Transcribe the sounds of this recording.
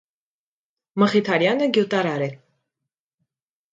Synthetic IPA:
məχit̪ʰɑɾjɑnəɡjut̪ɑɾɑɾɛ

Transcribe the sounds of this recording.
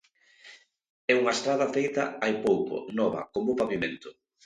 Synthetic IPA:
ɛuŋɐest̪ɾaðɐfejt̪ɐajpowko̰nɔβɐ̰komopaβimẽnt̪ʊ̥

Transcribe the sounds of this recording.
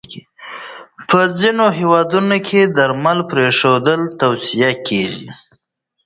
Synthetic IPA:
pʰəzinoɦewɑd̪unokʰed̪aɾmalpɾeʂod̪əlt̪awsijakʰeʒḭ

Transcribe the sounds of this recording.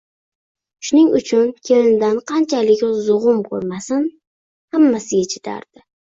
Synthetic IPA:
ʃʊnɪŋʊt͡ʃʰʊnkʲʰelɪnɪd̪anqʰɑnt͡ʃʰalɪkʲzʊʁʊmkʰɵ̰ɾmasɪn | hamːasɪɡʲat͡ʃʰɪ̥t̪ʰa̰ɾd̪̥ɪ

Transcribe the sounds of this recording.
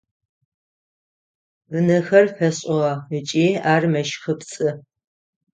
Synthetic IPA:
vɨnɨxɐrfɐɕʼɪʁɐɨt͡ʃʼiːaːrmɐʃxɨpt͡sʼɨ

